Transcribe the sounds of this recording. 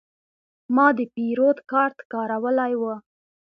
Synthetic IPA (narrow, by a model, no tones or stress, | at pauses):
mɑd̪əpiɾod̪kɑɾt̪kɑɾawəlajwə